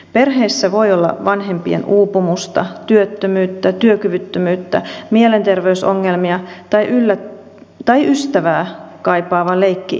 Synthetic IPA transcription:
perɦeːsːæʋo̞iolːɑ̰ʋɑnɦe̞mpiḛnuːpumust̪ɑ̰t̪yøt̪ːømyːt̪ːæt̪yøkyʋyt̪ːømyːt̪ːæmielent̪erʋeyso̰ŋːelmiɑt̪ɑjʔylːæ | t̪ɑjʔyst̪æʋæːkɑjpɑːʋɑle̞ikːḭ

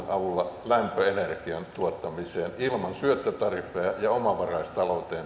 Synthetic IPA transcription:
nʔɑʋulːɑlæmpøenerkiɑnt̪uot̪ːɑmiseːnilmɑnsyøt̪ːøt̪ɑrfˑeɑjɑomɑʋɑrɑist̪ɑlout̪eːn

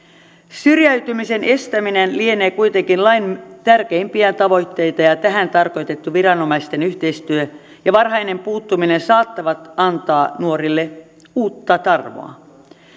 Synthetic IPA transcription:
syrjæyt̪ymise̞nʔe̞st̪æminenlieneːkujt̪eŋkinlɑjnt̪ærk̟eimpiæt̪ɑʋo̞jt̪ːe̞jt̪ɑjɑt̪æɦænt̪ɑrko̞jt̪e̞t̪ːuʋirɑno̞mɑist̪e̞nyçt̪e̞ist̪yø | jɑʋɑrɦɑjne̞mpuːt̪ːuminensɑːt̪ːɑʋɑt̪ɑnt̪ɑːnuoɾilːe̞ | uːt̪ːɑt̪ɑrʋo̰ɑ̰

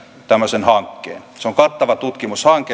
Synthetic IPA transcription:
t̪æmːøsenhɑŋkːḛːnseoŋkɑt̪ːɑʋɑt̪ut̪kimushɑŋke

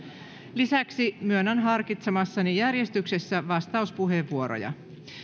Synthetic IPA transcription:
lisæksimyønænɦɑrkit̪semɑsːɑnijærje̞st̪ykse̞sːæʋɑst̪ɑuspuɦe̞ʋːuo̞ɾo̰jɑ̰

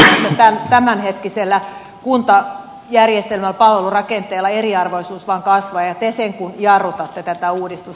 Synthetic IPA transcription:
et̪ːɑt̪ænt̪æmænhet̪kiselːæ | kunt̪ɑ | jærjest̪elmælpɑlʋelurɑkent̪eːlːɑeriɑrʋoisuːsʋɑŋkɑsʋɑːjɑt̪eseŋkunjɑrut̪ɑt̪ːet̪æt̪æuːdist̪us

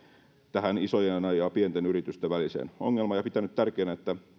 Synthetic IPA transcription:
t̪æhænisojenɑjɑpiet̪enyɾit̪yst̪eʋʋælisḛːno̰ŋːelmɑjɑpit̪ænyt̪t̪ærkeːnæet̪ːæ

